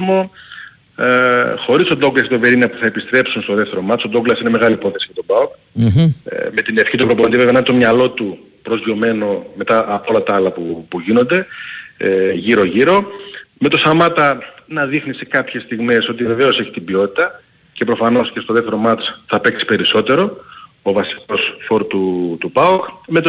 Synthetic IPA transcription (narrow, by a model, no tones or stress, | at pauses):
mo̞ | xo̞ɾiso̞d̪o̞ɡlɐsk̪et̪o̞ve̞ɾinɐpuθɐe̞pist̪ɾe̞psunst̪o̞ðe̞ft̪eɾo̞mɐt͡sod̪o̞ɡlɐsineme̞ɣɐlipo̞θe̞si̥jɐt̪o̞bɐok | me̞t̪ine̞fçit̪upɾopoond̪ivevenɐnt̪o̞mɲɐlo̞t̪u | pɾo̞zʝo̞me̞no̞me̞t̪ɐʔːpo̞lɐt̪ɐɐlɐpupuʝinond̪e̞ | ʝiɾo̞ʝiɾo̞me̞t̪o̞sɐmɐt̪ɐnɐðixnise̞kɐpçe̞st̪iɣme̞so̞t̪̬ive̞ve̞o̞se̞çi̥t̪ibio̞t̪i̥t̪ɐ | ce̞pɾo̞fɐno̞scest̪oðeft̪e̞ɾo̞mɐt͡sθɐpe̞ksi̥pe̞ɾiso̞t̪e̞ɾo̞ | ovɐsi̥ko̞sfo̞ɾt̪ut̪ubɐokme̞t̪